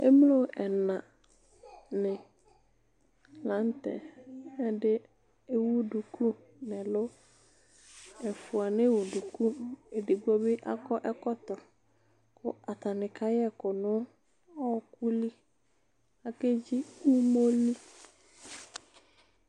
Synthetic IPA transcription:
ḛ˦m˦lo˦˨ʔɛ˨nã˨ | nɪ̃˨ | lã˨˦n˦tɛ˨ɛ˦dɪ˦ | e˦wu˦du˨ku˦ | nɪ˨lʊ˦ | ɛ˨fʊ˨a˨ne˦wu˨du˨ku˦e˨de˨ɡ͡bu˦ɔ˦bɪ˦ʔa̰˦kɔ˦ʔɛ˦kɔ˦ktɔ˨ | kʊ˨a˨ta˨nɪ˨kʰa˦jɛ˦kʊ˨nʊ̃˦ | ɔ˦˨ku˦li˦ | a˨ke˦d͡ʒi˦u˦mo˦li˦

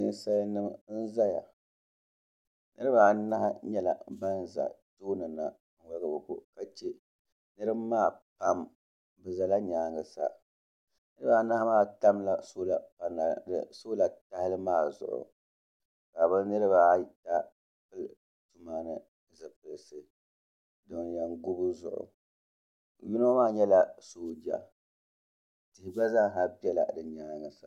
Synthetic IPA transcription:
nɨ˦nsa˦lnɨ˦mn̩˦za˦ja̰˨ | nɨ̰˦ɾɨ˦ba˨na˦ha˦ɲɛ˦la̰˨ba˦n˨za̰˨toː˦nɨ˨na̰˨ | ŋ̩˨wa˦ɡɨ˨bɨ˨ko̰˨ka˨t͡ʃɛ˦ | nɨ˦ɾɨ˦bmaː˦˨pa˦m | bɨ˨za˨la˦ɲaː˨˦ŋɨ˨sa̰˨ | nɨ˦ɾɨ˦ba˦na˦hmaː˦˨ta˦mla˨soː˦la˨pa˨na˨dɨ̰˨soː˦la˨ta˦hɪ˦lɨ˦maː˦˨zʊ̰˨ʔʊ̰˨ | ba˨bɨ˦nɨ˦ɾɨ˦ba˦˨ta˦ | pɨ˦l | tu˦maː˦nɨ˨ | zɨ˨pɨ˨lsɨ˨ | do˨ŋ˨jɛ˨ŋɡu˦bɨ˦zʊ̰˨ʔʊ̰˨ | ju˦n˦maː˦˨ɲɛ˦la˦soː˦d͡ʒa̰˨ | tɪ˨hɪ˨ɡ͡ba˦za˦ŋ˨ɦa˦bɛ˦la̰˨dɨ˨ɲaː˨˦ŋɨ˨sa˨

